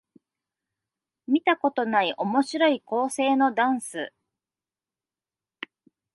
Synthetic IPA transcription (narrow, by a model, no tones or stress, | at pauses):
mʲit̪ako̞t̪o̞naiʔo̞mo̞ɕiɾo̞iko̞ːse̞ːno̞d̪ãɰ̃sɨ̰